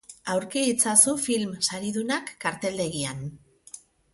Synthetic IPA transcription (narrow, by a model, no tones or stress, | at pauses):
awɾkeit͡sasufilmsaɾiðunakːaɾt̪e̞ld̪e̞ɣian